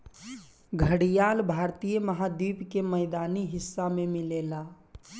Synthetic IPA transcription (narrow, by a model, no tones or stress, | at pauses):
ɡʱəɽijalbʱaɾt̪ijəməɦad̪iːpkeməɪd̪aːniɦɪsːamemilela